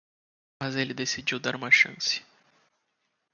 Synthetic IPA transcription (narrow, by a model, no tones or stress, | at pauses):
mɐzelɪd̪esid͡ʒiwd̪aɾũmɐʃɐ̰̃sɪ̥